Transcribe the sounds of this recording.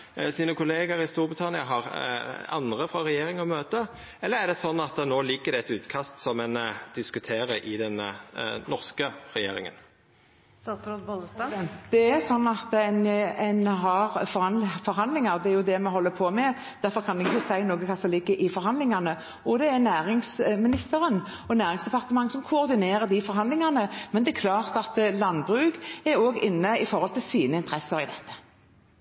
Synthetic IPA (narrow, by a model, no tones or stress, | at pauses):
siːnəkʊleːɡəɾɪst̪uːɾbʁɪt̪ʰɑnɪəɦɑʁɑ̰nd̪ʁəfɾɑʁɛjeːɾɪŋɔmøːt̪ə | ɛlːəʁæʁd̪ɛsɔnːɑt̪ənoːlɪɡːəd̪ɛɛt̪ʉːt̪kʰɑst̪sɔmɛnd̪̥ɪskʉt̪ʰeːʁəʔɪd̪ɛnnɔʁskəʁɛjḛːɾɪ̰ŋə̰n | sɾobɔlsɑd̪̥ɛæsɔnːɑt̪ɛnɛnɦɑʁfɔɾɑnfɔɾɦɑnd̪lɪŋɑʁd̪ɛæɾjʊd̪ɛmɛhɔlːəpʰoːmɛ | d̪̥æɾfɔɾkʰɑnd̪ɛʊsæɪnoːɡəkʰɑsɔlɪɡəʔɪfɔɾhɑnd̪lɪŋɑnə | ɔd̪ɛænæːʁɪŋsmɪnɪst̪əʁən | ɔnæːʁɪŋsd̪ɛpʰɑʁt̪əmɑŋːsɔmkʰʊɔʁd̪ɪneːʁəd̪ifɔɾɦɑnd̪lɪŋɑnəmɛnd̪ɛɛkʰlɑːʁt̪ɑt̪lɑnbʁʉːɡɛɾoːɡɪnːəɪfɔɾʁhɔlt̪ʰɪlsiːnəɪnt̪əɾɛsəɾɪd̪ɛt̪ːə̥